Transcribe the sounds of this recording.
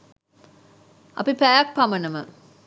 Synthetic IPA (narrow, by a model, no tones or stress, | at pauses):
ʔɐ̰pipæjak̚pamənəmə̰